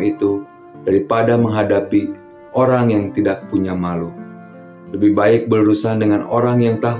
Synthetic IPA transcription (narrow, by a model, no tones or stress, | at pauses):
it̪u | d̥aɾipadaməŋɦadapi | ʔoɾaŋjaŋt̪idak̚puɲamalu | ləbihbaɪk̚bərɾusandəŋanoɾaŋjaŋt̪aɦ